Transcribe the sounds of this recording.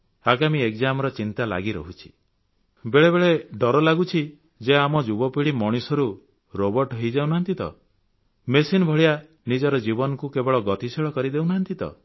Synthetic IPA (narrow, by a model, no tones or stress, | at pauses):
aɡamiekd͡ʒamɔɾɔt͡ʃint̪ala̰ɡiɾɔ̰ɦut͡ʃʰi̥ | beɭebeɭeɖɔɾɔlaɡut͡ʃʰi | d͡ʒeamɔd͡ʒubɔpiɽimɔɽ̃isɔɾu | ɾobɔɾʈɦejd͡ʒawnaɦnt̪it̪ɔ̰ | mesinɔbʱɔɭija | nid͡ʒɔɾɔd͡ʒibɔnɔkukebɔɭɔɡɔt̪isiɭɔkɔɾid̪ewnaɦnt̪it̪ɔ̰